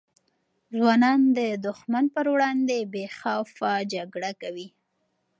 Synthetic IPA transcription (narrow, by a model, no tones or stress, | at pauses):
zwɑnɑnd̪əd̪ʊxmanpəɾwɽɑnd̪ebexɑwfad͡ʒaɡɽakawi